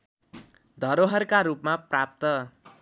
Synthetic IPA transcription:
d̪ʱʌɾoɦʌrkaɾupmaprap̚t̪ʌ

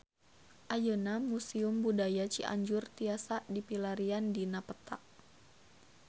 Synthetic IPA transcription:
ʔajənamusiʊmbudajat͡ʃiʔa̰ɲd͡ʒʊrt̪iasadipilaɾiandinapət̪a̰ʔ

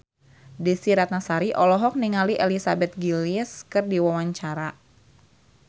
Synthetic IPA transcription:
disiɾat̪̚nasaɾiʔɔlɔɦɔk̚niŋaliʔɛlisabɛt̪̚ɡiliskɨrdiwawaɲt͡ʃaɾa

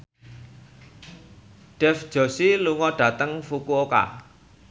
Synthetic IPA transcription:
ɖ̥ɛfd̥ʒ̥o̤siluŋɔɖ̥ä̤t̪əŋfukuoka̰

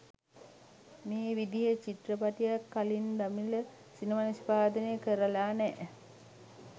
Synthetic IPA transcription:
meːʋid̪ijet͡ʃiʈrəpaʈijakːalind̪amilə | sinimanispaːd̪ənejəkəɾəlaːnɛː

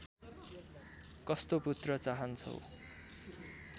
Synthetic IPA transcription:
kʌst̪oput̪rʌt͡saɦʌnt͡sʰʌ̰w

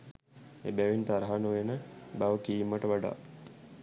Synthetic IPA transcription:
ebæʋint̪aɾɦanuʋenəbaʋəkiːimːəʈəʋaɖa̰ː

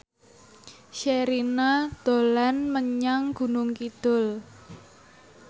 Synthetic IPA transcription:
ʃeɾinad̪̥o̤lanməɲaŋɡ̥ṳnʊŋkid̪̥ʊl

